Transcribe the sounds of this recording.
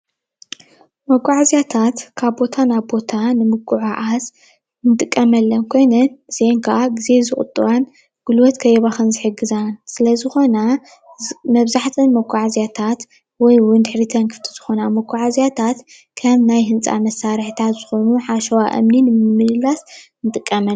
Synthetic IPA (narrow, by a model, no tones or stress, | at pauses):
mɐɡʷʼaʕazijat̪ʰat̪kʰaβbo̞t̪ʰanaβbo̞t̪ʰanɨmɨɡʼuʕaʔas | ɨnt̪ʼɨkʼːɐmɐlːɐnkʰo̞jnɐnz̥eŋkʰaʔaɡize̞zɨχʼʊ̰t̪ʼːɨβan | ɡ̥ulwɔt̪kʰɐjeβaxɐnzɨħɨɡɨzansɨlɐzɨxona | mɐβzaħt̪ʰɨnmɐɡʷʼaʕazijat̪ʰat̪ | wɔjwʊnd̪ɨħɾit̪ʰɐnkʰɨ̥ft̪ʰi̥z̥ɨxo̞namɐɡʷaʕazijat̪ʰat̪ | kʰɐmnajɦɨnt͡sʼa̰mɐsːaɾħit̪ʰat̪z̥ɨxo̞nuħaʃɐwaʔɨ̰mninɨmɨmːɨlɨlas | nɨt̪ʼɨkʼːɐmɐn